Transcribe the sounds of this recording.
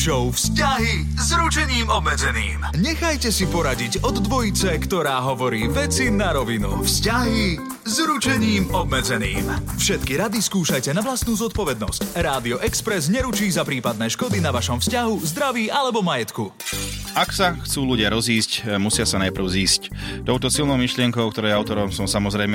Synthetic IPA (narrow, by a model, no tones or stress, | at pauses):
ʃɔʊfscaɦi | zɾut͡ʃɛɲiːmɔbmɛd͡zɛnḭːmɲɛxajcɛsipɔɾaɟiɟɔd̪ːʋɔjit͡sɛkt̪ɔɾaːɦɔʋɔɾiːʋɛt͡sinaɾɔʋinṵfscaɦi | zɾut͡ʃɛɲiːmɔbmɛd͡zɛnḭːmfʃɛt̪kiɾad̪iskuːʃajcɛnaʋlast̪nuːzɔt̪̚pɔʋɛd̪nɔ̰scɾaːd̪iɔʔɛkspɾɛzɲɛɾut͡ʃiːzapɾiːpad̪nɛːʃkɔd̪inaʋaʃɔmfscaɦuzd̪ɾaʋiːʔalɛbɔmajɛt̪ku | aksaxt͡suːluɟɪaɾɔziːscmusɪasanajpr̩ʊziːsct̪ɔʊt̪ɔsilnɔʊmiʃlɪɛŋkɔʊk̚t̪ɔɾɛjɛaʊt̪ɔɾɔmsɔmsamɔzɾɛjmɛ